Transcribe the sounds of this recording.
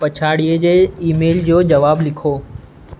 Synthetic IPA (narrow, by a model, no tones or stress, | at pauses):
pɐt͡ɕʰaːɽied͡ʑeːiːmeːld͡ʑoːd͡ʑɐʋaːblɪkʰoː